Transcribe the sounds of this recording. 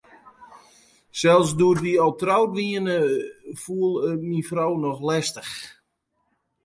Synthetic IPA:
sɛlˠsdoərdiɔlˠtrawtʋiənəfuəlˠəmifrownɔxlɛstəx

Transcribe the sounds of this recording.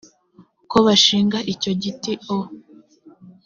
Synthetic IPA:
ko̞βaʃiːŋɡaʔico̞ɟitio

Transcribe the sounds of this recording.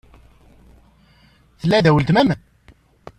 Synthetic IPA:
θəlːæðæwəlt̪mæmən

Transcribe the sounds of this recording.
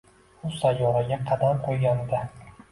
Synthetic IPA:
ʊsajːɒɾɪɡʲaqʰɑd̪aqʰojɡʲand̪a

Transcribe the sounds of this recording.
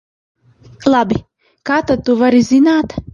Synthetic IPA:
lˠabi | kaːt̪at̪ːuvaɾizinaːt̪

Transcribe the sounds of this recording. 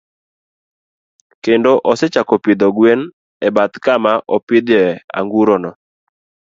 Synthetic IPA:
kendoʔɔsɛt͡ʃakɔpɪd̪ɔɡwen | ɛbat̪kamaʔɔpɪd̪ɛa̰ŋɡuɾɔnɔ

